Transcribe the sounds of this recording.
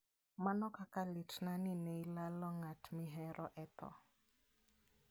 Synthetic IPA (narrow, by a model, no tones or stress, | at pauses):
manɔkakalitnaninɛilalɔŋatʰmɪɦɛɾʔɔʔɛt̪ɔ̰